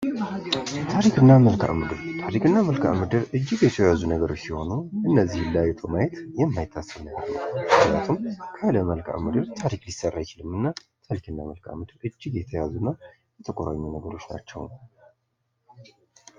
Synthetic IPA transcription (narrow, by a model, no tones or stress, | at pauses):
t̪ʰaɾikɨnːaməlkʰa̰ʔmɨd̪ɨɾt̪ʰaɾikɨnːaməlkʰa̰ʔmɨd̪ɨɾɨd͡ʒːɪɡjɛt̪ʰəjazunəɡəɾo̞t͡ʃːsiho̞nuʔɨnːəzːihlːajɛt̪ʰomajɛt̪jɛmːajɪt̪ʰːasəmahalnə̰wmɨknja̰t̪ʰumkʰaləməlkʰʼa̰mɨd̪ɨɾt̪ʰaɾiklisərːajt͡ʃilɨmɨnːat̪ʰaɾikɨnːaməlkʰʼa̰mɨd̪ɨɾɨd͡ʒːɪɡjɛt̪ʰəjazunəw | jɛt̪ʰəkʼoɾa̰ɲːunəɡəɾo̞t͡ʃːna̰t͡ʃːɛwn